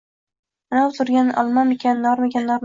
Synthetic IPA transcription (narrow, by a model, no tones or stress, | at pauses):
anawt̪ʰʊɾɡʲanʔɒ̰lˠmamekʲʰannːɒɾmaɡʲanːɒɾm